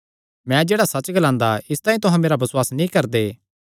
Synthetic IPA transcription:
mɛ̃ːd͡ʒeːɽasɐt͡ʃɡɐlãːnd̪aɪst̪aːĩt̪ʊɦãmeːɾabɐswaːsnĩkɐɾd̪eː

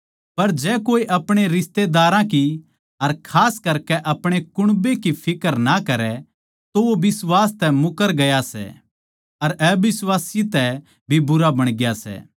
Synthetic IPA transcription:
pɐɾd͡ʒɛːkoːiʔɐpɽ̃eɾɪst̪ed̪aːɾãki | ɐɾkʰaːskɐɾkɛʔɐpɽ̃ekʊɽ̃bekipʰɪkəɾnakɐɾɛ | t̪oʋobɪswaːst̪ɛmʊkəɾɡɐjasɛ̰ | ɐɾɛbɪswaːsit̪ɛ | bʱibʊɾabɐɽ̃ɡjasɛ̰ː

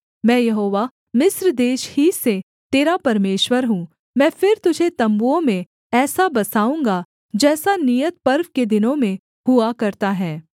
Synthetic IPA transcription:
mɛ̃ːjɐɦoːʋa | mɪsɾd̪eːʃhise | t̪eːɾapɐɾmeːʃwəɾɦũː | mɛ̃ːfɪɾt̪ʊd͡ʒʱet̪ɐ̃mbuõmẽ | ɛːsabɐsaːũːŋɡa | d͡ʒɛːsaniːjət̪̚pɐɾʋked̪ɪnõmẽ | huakɐɾt̪aɦɛː

